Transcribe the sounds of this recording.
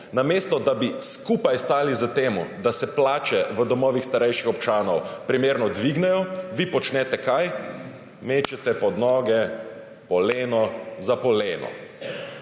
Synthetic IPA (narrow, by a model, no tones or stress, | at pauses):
nameːst̪ɔd̪abiskupajst̪aːlizət̪eːmud̪asɛplaːt͡ʃɛʋəd̪ɔmɔːʋixst̪aɾɛjʃixɔpt͡ʃaːnɔwpɾimeːɾnɔd̪ʋiɡnɛjɔʋipɔt͡ʃnɛt̪ɛkaj | meːt͡ʃɛt̪ɛpɔd̪nɔːɡɛ | pɔleːnɔzapɔleːnɔ̰